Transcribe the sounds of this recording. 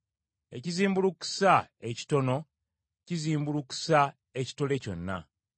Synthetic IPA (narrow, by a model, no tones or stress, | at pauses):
e̞̰ciziːmbuluku̥sae̞ci̥to̞no̞ | ciziːmbuluku̥sa | eci̥to̞le̞co̞nːa̰